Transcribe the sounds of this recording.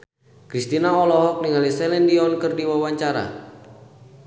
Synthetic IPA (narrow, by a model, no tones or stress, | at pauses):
kɾist̪inaɔlɔɦɔk̚niŋalisɛlɛndiɔnkɨrdiwawaɲt͡ʃaɾa̰